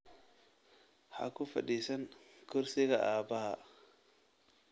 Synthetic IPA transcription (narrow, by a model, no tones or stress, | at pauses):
ha̰kufa̰ɗisankuɾsiɡaʔabaha